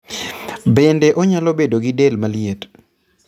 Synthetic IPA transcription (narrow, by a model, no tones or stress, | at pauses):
bendeʔoɲalobedoɡidelmaliet